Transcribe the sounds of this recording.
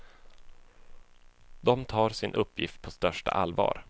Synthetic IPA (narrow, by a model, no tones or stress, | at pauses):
d̪ɔmt̪ʰɑːɾsɪnʔɵpːjɪft̪̚pʰɔst̪œʂʈa̰ʔalvɑ̰ːɾ